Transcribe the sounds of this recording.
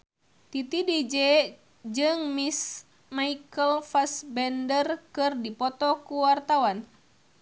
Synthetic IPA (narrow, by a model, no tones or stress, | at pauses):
t̪it̪idid͡ʒɛ | d͡ʒɨŋmis | maikəlfasbɛndərkɨrdipɔt̪ɔkuwart̪awan